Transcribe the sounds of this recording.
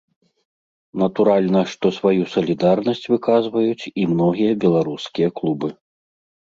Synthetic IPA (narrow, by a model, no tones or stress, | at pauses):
nɐt̪uɾalʲnɐʂt̪ɔsvajusɐlʲid̪arnɐsʲt͡sʲvɨkazvɐjut͡sʲimnɔɣʲijɐbʲɛlˠaɾuskʲijɐklˠubɨ